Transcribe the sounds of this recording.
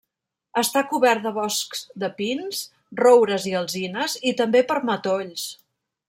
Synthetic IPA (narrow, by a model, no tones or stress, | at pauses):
əst̪akuβɛrt̪d̪əβɔskz̥d̪əpins | rowɾəziəlˠzinəzit̪əmbepəɾmət̪oʎs